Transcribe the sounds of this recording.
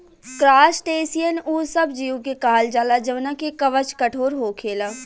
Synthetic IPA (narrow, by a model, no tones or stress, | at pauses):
kɾaːsʈeːsijənuːsɐbd͡ʒiːũkekaːld͡ʒaːlad͡ʒəʋnakekɐʋət͡ʃkɐʈʰoːɾɦoːkʰeːlaː